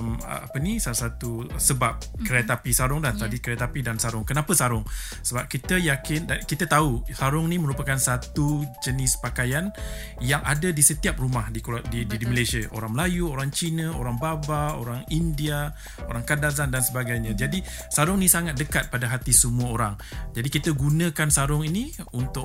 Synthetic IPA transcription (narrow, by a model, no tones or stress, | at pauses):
m̰a̰pənisalasat̪usəbap̚kɾeat̪apisaɾʊŋdat̪adikɾiat̪apidansaɾʊŋkənãpəsaɾʊŋ | səbap̚kit̪əjakɪndakit̪ət̪ausaɾʊŋnĩmə̃ɾupakansat̪ud͡ʒənɪspakajan | jaŋʔadadisət̪iap̚rumahdikuadididiməlasiaʔo̰ɾaŋməlajuoɾaŋt͡ʃinə̃oɾaŋbabao̰ɾaŋindia | o̰ɾaŋkadazandansəbaɡajɲãd͡ʒadi | saɾʊŋnĩsaŋat̪̚dəkat̪̚padaɦat̪isəmuaoɾaŋd͡ʒadikit̪əɡunə̃kansaɾʊŋinĩunt̪ʊ